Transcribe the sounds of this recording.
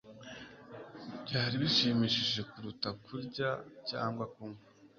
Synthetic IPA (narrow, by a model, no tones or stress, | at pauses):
bɟaːɾiβiʃiːmiʃiʒe̞kuɾutakʰuɾɟacaːŋɡwakuŋa